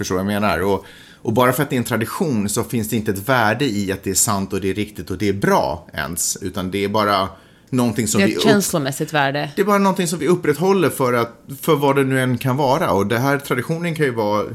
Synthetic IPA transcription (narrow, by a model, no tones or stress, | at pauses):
fœʂʈoːvajameːna̰ɾɔ | ʔɔbɑːɾafœɾat̪d̪ɛɾɛnt̪ʰɾad̪ɪɧuːnsɔfɪnsd̪ɛɪnt̪əɛt̪væːɖəɪat̪̚d̪ɛæʂant̪ɔd̪ɛːɾɪkt̪ɪt̪ɔd̪ɛːɾbɾɑ̰ːɛ̰nsʉ̟ːt̪and̪ɛːɾbɑːɾa | nɔnt̪ʰɪŋsɔmɪʃɛnslʊmɛsːɪt̪væːɖəd̪ɛːbɑːɾanɔnt̪ʰɪŋs̬ɔmvɪɵpːɾɛt̪ɦɔlːəɾfœɾat̪fœɾvad̪ɛnʉ̟ːɛnːkʰanvɑːɾaɔd̪ɛɦæːɾt̪ʰɾad̪ɪɧuːnənkʰanjɵvɑː